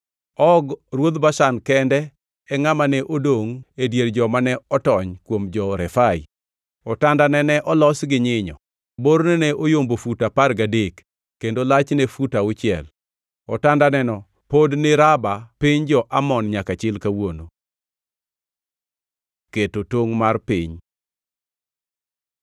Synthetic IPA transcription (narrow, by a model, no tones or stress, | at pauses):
ɔɡrwod̪baʃankɛndɛ | ɛŋamanɛʔodoŋedjeɾd͡ʒɔmanɛɔtɔɲkwomd͡ʒɔɾɛfaḭ | ɔtandanɛnɛʔɔlɔsɡɪɲɪɲɔ̰ | boɾnɛnɛʔojombofutapaɾɡadekː | endolat͡ʃnɛfutaʊt͡ʃɪɛ̰l | ɔtandanɛnɔ | podnɪɾabapiɲd͡ʒɔʔamɔnɲakat͡ʃɪlkawono | ketotoŋmarpɪɲ